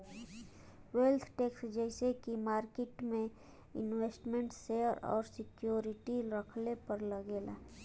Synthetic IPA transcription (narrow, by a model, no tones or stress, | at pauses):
welt̪ʰʈeːksd͡ʒɛɪsekimaːɾkeʈmẽ | ɪ̰nweːsʈmẽɳʈseəɾɔ̰ːɾsɪkjoːɾɪʈiɾəkʰlepəɾləɡeːla̰